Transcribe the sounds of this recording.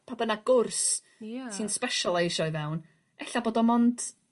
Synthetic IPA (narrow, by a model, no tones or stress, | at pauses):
pʰadənaɡ̥ʊrs | tʰinspɛʃɔlˠejʃɔɨvɛwn | ɛɬaboːdɔmɔnd̥